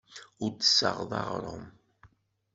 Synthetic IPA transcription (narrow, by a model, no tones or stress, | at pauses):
ʊɾd̪sə̰ʁðˤɑ̰ʁɾˤə̰m